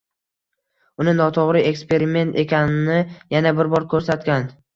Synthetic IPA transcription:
ʊnɪnɒt̪ʰoʁɾɪe̞kspe̞ɾɪme̞nt̪ʰe̞kʲʰanɪnɪjanabɪɾbɒɾkʰɵɾsat̪kʲan

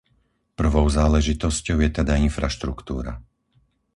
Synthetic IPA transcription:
pr̩ʋɔʊzaːlɛʒit̪ɔscɔʊjɛt̪ɛd̪ainfɾaʃt̪ɾukt̪uːɾa̰

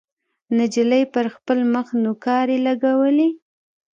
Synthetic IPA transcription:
nad͡ʒiləjpəɾxpəlməxnokɑɾelaɡawəli

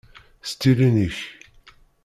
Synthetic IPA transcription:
st̪iɾiniç

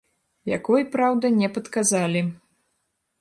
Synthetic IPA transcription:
ja̰kɔjpɾawd̪ɐnʲɛpɐt̪kazalʲi

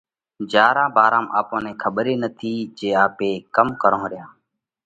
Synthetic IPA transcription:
d͡ʒaːɾãːbaːɾãːma̰ːpõːnẽːkʰəɓɾeːnət̪ʰiːd͡ʒeːaːpeːkəmkəɾõːɾɪjãː

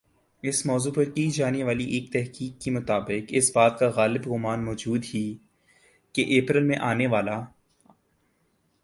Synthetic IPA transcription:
ɪsmɔːzuːpɐɾkiːd͡ʒaːneʋaːliʔeːk̚t̪ɛɦkiːkːemʊt̪aːbɪkɪsbaːt̪̚kaɣaːlɪbɣʊmaːnmɔːd͡ʒuːd̪ɦiː | keʔeːpɾəlmẽʔaːneʋaːla

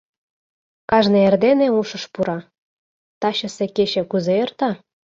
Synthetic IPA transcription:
kɑʒneerd̪eneuʃɤ̆ʃpuɾɑ | t̪ɑɕɤ̆sekeɕĕkuzeert̪ɑ

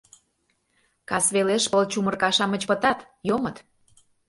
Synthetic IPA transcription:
kɑsβeleʃpəlt͡ɕumə̆rkɑʃɑmə̆t͡ɕpət̪ɑt̪ | jomət̪

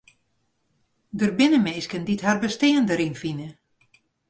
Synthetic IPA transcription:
dərbɪnəmeːskənditɦharbəsteːəndəɾinfinə

